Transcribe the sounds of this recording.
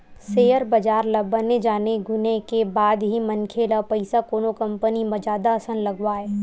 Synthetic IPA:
seːjəɾbɐd͡ʒaːɾlɐbəned͡ʒaːneɡʊnekebaːd̪ɦimɐnkʰeːlapɐɪsakoːnokɐ̃mpənimɐd͡ʒaːd̪aɐsənlɐɡwaːɛː

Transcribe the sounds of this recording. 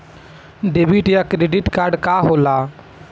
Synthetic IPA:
ɖebiʈjakɾeːɖɪʈkaːɾɖkaːɦoːlaː

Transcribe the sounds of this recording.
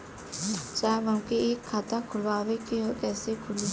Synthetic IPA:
t͡ʃaːeʋəmkeeːkʰːaːt̪akʰʊlʋaːʋekeɦokɛːsekʰʊli

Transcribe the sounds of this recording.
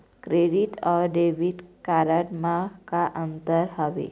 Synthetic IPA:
kɾeɖiʈɔɾɖeʋiʈkaɾaʈmakaʔənt̪əɾhəʋḛ

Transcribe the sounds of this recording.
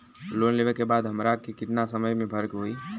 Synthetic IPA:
loːnleːʋekebaːd̪ɦəmɾaːkikɪt̪nasəməjmẽbʱɐɾkɦoiː

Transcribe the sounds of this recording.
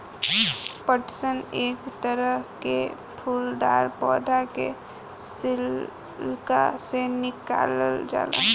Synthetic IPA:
pəʈsəneːkt̪əɾəɦke | pʰuːld̪a̰ːɾpɔːd̪ʱake | sɪl | lkasenɪka̰ːləld͡ʒa̰ːla̰

